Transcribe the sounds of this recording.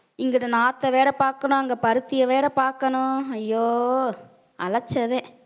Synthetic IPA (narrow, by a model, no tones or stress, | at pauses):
ɪŋɡɪʈːɯnaːt̪ːɐʋeːɾɐpaːɾkɐnʊ̃ɐŋɡɐpɐɾɯt̪ːɪjɐʋeːɾɐpaːɾkɐnʊ̃ɐjːoː | ɐlɐt͡ʃːɐðẽː